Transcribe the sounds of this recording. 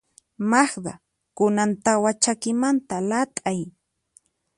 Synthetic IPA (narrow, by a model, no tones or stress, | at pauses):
maχɢ̪ɑ | kʊnant̪awat͡ʃakɪmant̪alat̪ʼaj